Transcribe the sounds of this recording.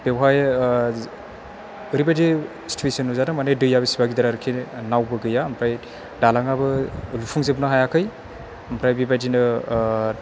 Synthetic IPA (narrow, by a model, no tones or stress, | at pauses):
b̥ewɦaj | ɯɾibajdi | stʰwesinuzanɯmanɯjdɯjaβɐsibaɡidaɾaɾɯkʰinawbɯɡɯjaːmpʰɾaj | dalaŋabɯlupʰuŋzebnɯɦajakʰɯj | ɐmpʰɾajbibajdinɯ